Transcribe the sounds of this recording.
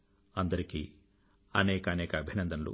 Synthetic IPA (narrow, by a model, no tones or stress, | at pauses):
ɐnd̪ɐɾiki | ɐnɛːkɐːnɛːkɐːbʱinɐnd̪ɐnɐlṵ